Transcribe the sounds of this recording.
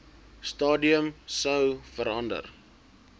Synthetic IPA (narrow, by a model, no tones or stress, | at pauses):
stɑːdiəmsəwfəɾɐndə̰r